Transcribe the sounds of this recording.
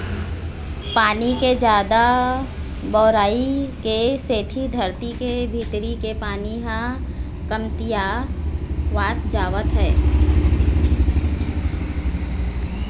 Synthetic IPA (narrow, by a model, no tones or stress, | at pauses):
paːniked͡ʒjaːd̪a | bɔːɾaːikeseːt̪ʰid̪ʱəɾt̪ikebʱiːt̪ɾikepaːniɦã | kəmt̪ija | ʋaːt̪d͡ʒaːʋət̪ɦɛː